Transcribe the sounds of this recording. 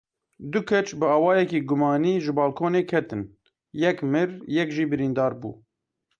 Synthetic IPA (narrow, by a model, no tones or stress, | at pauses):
d̪ʊkʰɛt͡ʃbɨɑːwɑːjɛkiːɡʊmɑːniːʒɨbɑːlkʰoːneːkʰɛt̪ɨn | jɛkmɨɾjɛkʒiːbɨɾiːnd̪ɑːɾbṵː